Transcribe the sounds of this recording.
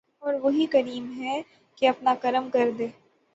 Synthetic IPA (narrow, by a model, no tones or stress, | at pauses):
ɔːɾʋɐɦikɐɾiːmɦɛ | keɐpnakɐɾəmkɐɾd̪eː